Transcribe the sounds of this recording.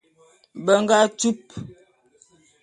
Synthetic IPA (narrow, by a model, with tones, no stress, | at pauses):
bə˨ŋɡa˦tu˦p